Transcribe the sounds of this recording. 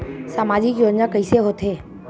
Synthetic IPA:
saːmaːd͡ʒɪkjoːd͡ʒnakəiseɦoːt̪ɦeː

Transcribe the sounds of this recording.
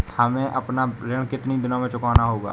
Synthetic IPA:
həmẽʔəpnaɾɪɳkɪt̪nid̪ʊnãmẽt͡ʃʊkaːnaɦoːɡa̰ː

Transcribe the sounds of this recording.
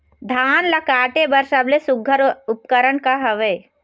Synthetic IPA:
d̪ʱaːnlɐkaːʈebɐɾʃəblesʊɡʱːəɾʊpkəɾəɳkaɦɐʋeː

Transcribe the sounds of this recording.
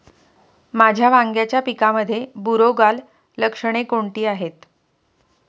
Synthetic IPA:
mad͡ʑʱjaʋaŋɡjat͡ɕjapikaməd̪ʱːjebuɾoɡalː | əkʂəɽ̃ekoɳʈiːaɦet̪

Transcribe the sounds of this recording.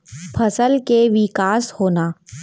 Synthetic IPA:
pʰɐsəlkeʋɪkaːshoːnaː

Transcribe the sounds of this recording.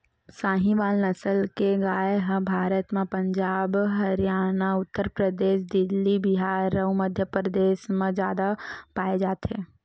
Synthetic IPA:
saːɦĩʋaːlnɐsəlkeɡaːeɦəbʱaːɾət̪mẽpə̃ɲd͡ʒaːbɦɐɾjaːnaʊt̪ːəɾpɾəd̪eːʃd̪ɪlːibɪɦaːɾːəuməd̪ʱjəpɾəd̪eːʃmẽd͡ʒjaːd̪apaːed͡ʒaːt̪ɦẽː

